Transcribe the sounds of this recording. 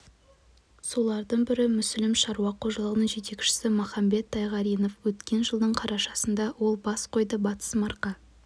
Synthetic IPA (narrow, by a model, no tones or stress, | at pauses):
so̞lˠɑɾd̪əɴbɪɾɪmʏslɪmʃɑɾuwɑqʰo̞ʒɑlˠəʁənəɴʒe̞t̪e̞kʲʃɪ̥sɪmʊχɑmbe̞t̪ʰːɑjʁɑɾijno̞fwɵt̪kʲe̞nʒəlˠd̪əɴqʰɑɾɑʃɑsənd̪ɑwo̞lˠbɑsqʰo̞jd̪əbɑt̪ə̥smɑɾqɑ